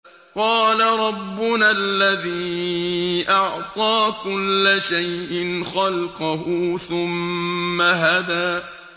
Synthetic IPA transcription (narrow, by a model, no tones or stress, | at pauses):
qɑːlaɾˤɑbːʊnalːaðiː | ʔɑʕt̪ˤɑːkʊlːaʃajʔɪnxɑlqɑɦʊθʊmːaɦaðaː